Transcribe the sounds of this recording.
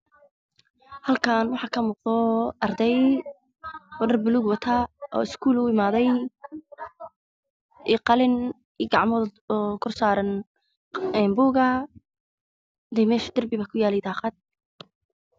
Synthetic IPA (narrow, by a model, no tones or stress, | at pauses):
hɐlkʰaːnwɑħɑːkʰɐmuːqd̪ɔʔɐrd̪ɛj | ɔɖɐrbʊluɡwɑt̪ʰaːʔɔ̰ːɪskʰuːlʊɪmaːðɛj | iqɑlɪn | iɡɑʕmɔɔkʰʊrsaːɾɐn | ɛːnbuːɣɐ | d̪ɛjmɛːʃɐ̥d̪ɐrbɪβaːkʰʊjaːlɛjd̪ʰaːqɑd̪̚